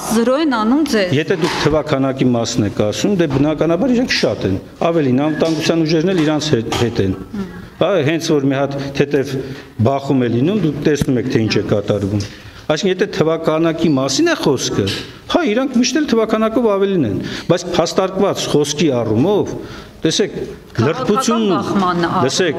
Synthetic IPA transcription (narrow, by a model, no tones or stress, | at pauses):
zəɾɔɛnɑnumd͡zɛjɛt̪ʰɛd̪ukʰt̪ʰəvɑkʰɑnɑkimɑsnɛkʰɑsumd̪ɛbənɑkɑnɑbɑɾiɾɛŋkʰʃɑt̪ɛn | ɑvɛlinɑnvət̪ɑŋɡut͡sʰjɑnuʒɛɾnɛliɾɑnt͡sʰhɛt̪ɛn | hɑɦɛnt͡sʰvɔɾmihɑt̪ʰːɛt̪ɛvbɑχumɛlinumd̪ukʰt̪ɛsnumɛkʰt̪ʰɛint͡ʃʰɛkɑt̪ɑɾvum | ɑjsiŋkʰəjɛt̪ʰɛt̪ʰəvɑkʰɑnɑkimɑsinɛχɔskʰə | hɑiɾɑŋkʰmiʃt̪ɛlt̪ʰəvɑkʰɑnɑkɔvɑvɛlinɛnbɑjt͡sʰpʰɑst̪ɑɾkvɑt͡sχɔskiɑrumɔv | t̪ɛsɛkʰ | lərt̪put͡sʰjunːunləsɛkʰ